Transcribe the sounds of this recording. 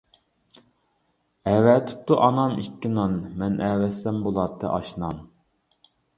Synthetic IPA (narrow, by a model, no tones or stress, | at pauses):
ɛwɛt̪ʰɪ̥p̚t̪uʔɑnɑmikʲːinɑnmɛnʔɛːwɛsɛmbolˠɑt̪ʰːɨ̰ʔɑʃnɑn